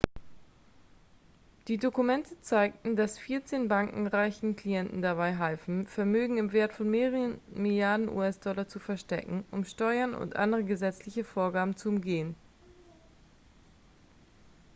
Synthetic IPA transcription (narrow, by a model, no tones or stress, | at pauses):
d̥iːdokumɛntʰət͡saɪk̚tn̩d̥asfiːɐt͡seːnbaŋkŋ̩ʁaɪçn̩kl̥ijɛntn̩daβaɪɦalfn̩fɛɐmøːɡŋ̩ɪmveːɐtfɔnmeːʁəmɪljaɐdn̩ʔṵːɛsd̥ɔlɐt͡sufɛɐʃtɛ̰kŋ̩ʔʊ̰mʃtɔʏɐnʊ̰ntʔa̰ndəʁəɡəzɛt͡slɪçəfoːɐɡaːbm̩t͡suʊmɡeːən